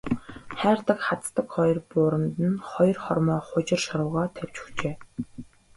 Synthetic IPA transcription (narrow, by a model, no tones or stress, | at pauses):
χæːrt̪ə̆kχat͡st̪ə̆kχɔjɞ̆rpʊːɾə̆mt̪ɘ̆nχɔjɞ̆rχɔrmɔːχʊt͡ɕɪ̆rʃɔɾʊːʁɔːt̪ʰæw̥ʲt͡ɕɵ̥xt͡ɕeː